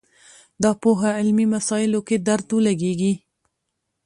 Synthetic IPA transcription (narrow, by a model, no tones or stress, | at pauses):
d̪ɑpoɦaɪlmimasɑjɪloked̪aɾt̪ulaɡeɡi